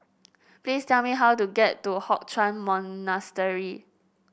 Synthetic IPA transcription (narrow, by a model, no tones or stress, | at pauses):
plistɛlmiɦawtuɡɛtːuhɔk̚t͡ʃʰɹãnmɔ̃nnastəɹi